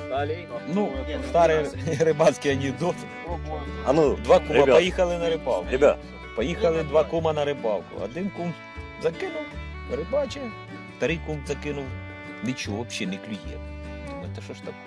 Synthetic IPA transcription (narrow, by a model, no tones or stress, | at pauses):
nust̪ɑɾɪɾɪbɑsʲkʲɪɐnʲid̪ɔt̪ | ɐnud̪ʋɑkɔɾmɐpɔjixɐlˠɪnɐɾɪbɑ̰wkɾɪbʲa | pɔjixɐlˠɪd̪ʋɑkumɐnɐɾɪbɑwkʊ̰ɐ̰d̪ɪnkum | zɐkɪnʊw | ɾɪbɑt͡ʃɛ | st̪ɐɾɪjkumzɐkɪnʊw | nɪt͡ʃɔɦʋɔpʃɛnɪklʲʊɦʲɛ̰ | ɛt̪ɐʃɔʃt̪ɐkɔ